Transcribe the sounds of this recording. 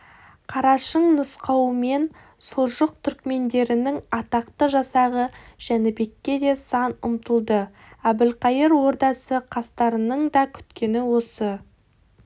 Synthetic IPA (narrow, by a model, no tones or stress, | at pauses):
qʰɑɾɑʃəɴnəsqɑwəme̞n | soʒəq̚t̪ʰʏɾkme̞nd̪e̞ɾɪnɪŋɑt̪ɑqt̪əʒɑsɑʁəʒ̥ænɪbe̞kʲːe̞d̪e̞sɑnʊ̰mt̪əlˠd̪ə | æbɪlqɑjəɾwo̞ɾd̪ɑsəqʰɑst̪ɑɾənəɴd̪ɑkʲʰʏ̥t̪kʲe̞nɪwo̞sə